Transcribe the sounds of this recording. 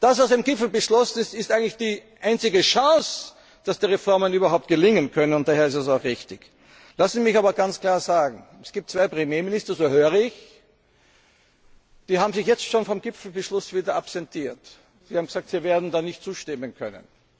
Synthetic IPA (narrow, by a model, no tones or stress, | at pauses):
d̥asvaʊsd̥eːmɡɪpfl̩bəʃlɔsn̩ɪstɪstʔæɪɡŋtlɪçd̥iːʔaɪnt͡sɪɡəʃɑ̃ːs | d̥asd̥iːʁɛfɔɐmənyːbɐɦaʊp̚t̚ɡ̥əlɪŋənkʰœnənʊntd̥aːheːɐɪstɛs̬aʊxʁɪçtɪç | lasnzimɪçaːbɐɡant͡skl̥aːɐzaːɡŋ̩ɛsɡ̥iːp̚tt͡sv̥aɪpʁ̥emjeːmɪnɪstɐzoːhøːʁəɪç | d̥iːɦaːbm̩zɪçjɛt͡stʃoːnfɔmɡ̥ɪpfl̩bəʃlʊsv̥iːdɐʔapsɛntʰiːɐt | siːhabm̩ɡəz̥aːk̚tviːɐveːɐdn̩daːnɪçt̚t͡suːʃtɪmənkʰœ̰nə̰n